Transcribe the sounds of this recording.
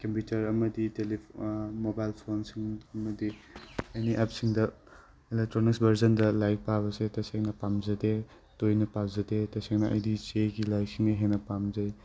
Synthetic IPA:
kɐmputɐɾɐmɐditelimobajlpʰonsiŋɐmɐdiejniʔapsiŋdɐ | ilek̚tɾoniksbʱɐɾzɐndɐlajk̚paβɐsetɐseŋnɐpamzɐde | tojnɐpapzɐdetɐseŋnɐʔɐ̰jdit͡ʃeɡilajksiŋnɐɦenɐpamzɐj

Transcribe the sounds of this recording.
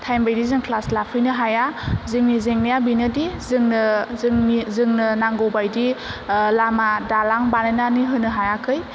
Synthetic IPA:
tʰajmbajdizɯŋkʰlaslapʰɯjnɯɦajazɯŋnizeŋnijabinɯdizɯŋnɯŋizɯŋnɯnaŋɡowbajdilamadalaŋbanananiɦɯnɯɦajakʰɯj

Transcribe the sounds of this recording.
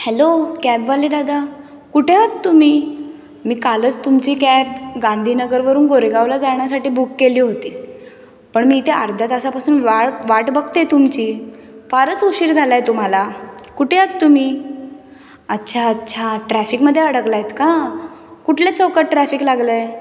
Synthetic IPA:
hɛlokæbʋaled̪ad̪a | kuʈʰeɦat̪t̪um̤iː | miːkalət͡st̪umt͡ɕiːkæb̚ɡãnd̪ʱiːnəɡəɾʋəɾuːnɡoɾeɡaʋlad͡zaɳjasaʈiːbukːeliːɦot̪iː | pəɳmiːt̪eə̰ɾd̪ʱat̪əsapasuːnʋaʋaʈbəɡt̪et̪umt͡ɕiː | faɾət͡suɕiːɾd͡zʱalajt̪um̤alakuʈʰeɦat̪t̪um̤iː | ətːɕʰaətːɕʰaʈɾæfikməd̪ʱːjeəɽəɡlajet̪ka | kuʈʰljat͡səʋkəʈɾæfiklaɡləj

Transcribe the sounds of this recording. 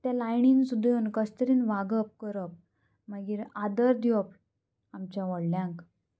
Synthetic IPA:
t̪jalajɳinɡsud̪ʱjonkəst̪əɾiːnʋaɡəp̚kəɾəp̚ | maɡiːɾad̪əɾd̪jop | amt͡ɕjaʋəɽljãŋk

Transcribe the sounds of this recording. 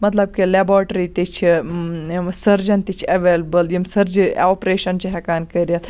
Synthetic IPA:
mɐt̪lɐb̚kileboːʈɾit̪it͡ʃʰi | sɐɾd͡ʒɐnt̪it͡ʃʰɐʋeːlbəljimsɐɾd͡ʒioːpɾeːʃɐnt͡ʃiɦɛkaːnkɐɾʲjɐt̪

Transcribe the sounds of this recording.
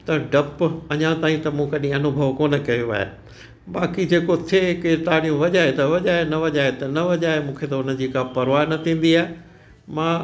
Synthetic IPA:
t̪ɐɖɐpɐɲãt̪aːĩt̪ɐmũkɐɗĩɐnʊbʱəʋkoːnə̆kɐjuʋa̰ːɦḛ | ɓaːkid͡ʑeːkot̪ʰeket̪aːɽijũʋɐʄaːɦet̪ɐʋɐʄaːɦenɐʋɐʄaːɦet̪ɐnɐʋɐʄaːemũːkʰet̪ɐʊnə̆d͡ʑiːkãpɐɾʋaːnɐt̪ʰĩːn̆d̪iaːɦe | mãː

